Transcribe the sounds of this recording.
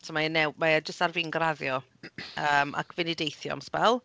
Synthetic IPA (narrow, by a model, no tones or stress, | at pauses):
tʰɔmajənɛwmajad͡ʒəstarviːnɡraðjɔ | əːmʔa̰kʰvɪnidejθjɔ̰a̰mspɛlˠ